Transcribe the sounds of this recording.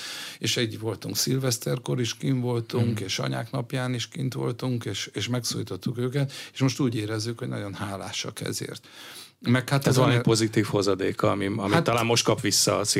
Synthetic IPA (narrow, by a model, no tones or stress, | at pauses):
eːʃɛɟːʋo̞lt̪uŋksilvɛst̪ɛrko̞ɾiʃkiɱvo̞lt̪uŋkeːʃɒ̰ɲa̰ːknɒpjaːniʃkint̪ʋo̞̰lt̪uŋkeːʃeːʃmɛksoːjit̪o̞t̪ːukøːkɛt̪eʃmo̞ʃt̪uːɟeːɾɛzːykho̞ɟnɒ̰ɟo̞nhaːlaːʃɒ̰kɛ̰zḛːrt̪ | mɛk̪hat̪ɛzompo̞zit̪iːfho̞zɒd̪eːkɒɒmiɒmiat̪ːɒlaːmmo̞ʃt̪̚kɒpʋisːɒːsi